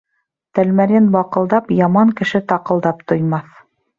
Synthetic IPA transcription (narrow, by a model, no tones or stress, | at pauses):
t̪ælmæɾʲenbɑqɤ̆lˠd̪ɑpjɑmɑŋkɘ̆ʃɘt̪ɑqɤ̆lˠd̪ɑpt̪ŏjmɑθ